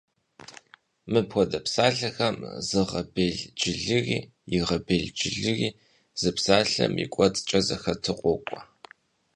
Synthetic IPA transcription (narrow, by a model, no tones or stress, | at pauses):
mɨpxʷɔdɐpsaːɮɐxɐmzɨʁɐbeːɮd͡ʒɪɮɨɣiː | jɪʁɐbeɮd͡ʒɪɮɨɣiː | z̥ɨpsaːɬɐ̰mḭkʷʼɔt͡sʼt͡ʃʼɐzɐxɐtʰɨqʷʼɔkʷʼɔ